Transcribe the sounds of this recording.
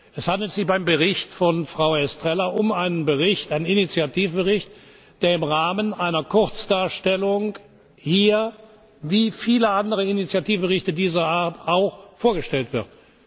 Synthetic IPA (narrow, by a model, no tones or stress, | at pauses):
ʔɛshandl̩tz̥ɪçbaɪmbəʁɪçtfɔnfʁ̥aʊɛstʁ̥ɛlɐʔʊmaɪnənbəʁɪçtʔaɪnəninit͡sjatiːfbəʁɪçt | d̥eːɐɪmʁaːmənʔaɪnɐkʰʊʁt͡sd̥aːɐʃtɛlʊŋ | hiːɐ | viːfiːləʔandəʁəinit͡sjatiːfbəʁɪçtədiːzɐʔaːɐtaʊxfoːɐɡəʃtɛltv̥ɪʁt